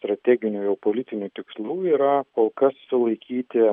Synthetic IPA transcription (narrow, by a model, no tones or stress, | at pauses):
st̪ɾɐt̪ʲɛːɡʲɪnʲuːjɛʊpoːlʲɪt̪ʲɪnʲuːt̪ʲɪkslˠuːiːɾɐkoːlˠkɐssʊlˠɐɪkʲiːt̪ʲɪ